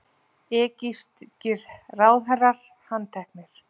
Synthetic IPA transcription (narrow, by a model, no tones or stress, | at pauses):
ɛːcist̪cɪɾraːwθɛraɾ̥ | hant̪ʰɛhknɪɾ̥